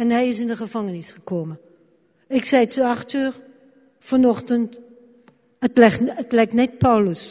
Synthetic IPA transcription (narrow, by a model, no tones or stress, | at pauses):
ɛnɦɛjɪsɪndəχəvɑŋənɪsχəkoːmə | ɪksɛjtsoɑχtyːr | fɔnɔχtənt | ətlɛətlɛjk̚tnɛt̚pɑwləs